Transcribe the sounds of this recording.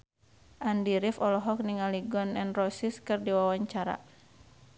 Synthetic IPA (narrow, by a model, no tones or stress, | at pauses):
ʔandiɾifɔlɔɦɔk̚niŋaliɡɔnɛnrɔsiskɨrdiwawaɲt͡ʃaɾa̰